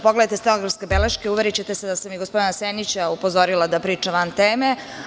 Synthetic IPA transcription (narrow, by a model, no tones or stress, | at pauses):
poɡled̪ajt̪est̪eloɡɾafskebeleʃkeuʋeɾit͡ɕe̞t̪esed̪asamiɡospo̞d̪inasenit͡ɕaupo̞zoɾilˠad̪apɾiːt͡ʂaʋant̪eːme